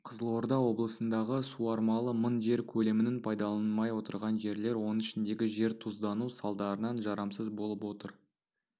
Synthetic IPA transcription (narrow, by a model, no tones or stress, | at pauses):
qʰəzəlˠo̞ɾd̪ɑwo̞blˠəsənd̪ɑʁəsuɑɾmɑlˠəmənʒe̞ɾkʲʰɵle̞mɪnɪnpʰɑjd̪ɑlˠɑnmɑjwo̞t̪əɾʁɑnʒe̞ɾle̞ɾwo̞nənɪʃɪnd̪e̞ɡʲɪʒe̞ɾt̪ʰuzd̪ɑnusɑlˠd̪ɑɾənɑnʒɑɾɑmsəzbo̞lˠəpwo̞t̪əɾ